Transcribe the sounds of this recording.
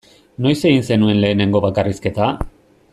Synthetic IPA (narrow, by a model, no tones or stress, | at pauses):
no̞jse̞ɣinse̞nue̞nle̞ːne̞ŋɡo̞βakariske̞t̪a